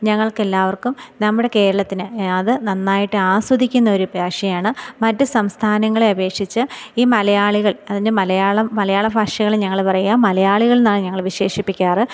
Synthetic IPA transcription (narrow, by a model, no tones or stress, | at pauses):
ɲɐŋːɐɭke̞lːaːʋɐrkumnɐmːuɽe̞ke̞ːɾɐɭɐt̪ːinɨɐðɨnɐnːaːjiʈːɨaːsɐd̪ikʲːunːɐoɾubʱaːʂjɐjaːɳɨmɐtːɨsɐmst̪ʰaːnɐŋːɐɭe̞ɐbe̞ːkʂit͡ɕːɨiːmɐlɐjaːɭiɣɐɭɐðindɨmɐlɐjaːɭɐmɐlɐjaːɭɐbʱaːʂjɐɣɐɭeɲɐŋːɐɭpɐrɐjuaːmɐlɐjaːɭiɣɐɭnːaːɳɨɲɐŋːɐɭʋiɕe̞ːʂipːikʲːaːrɨ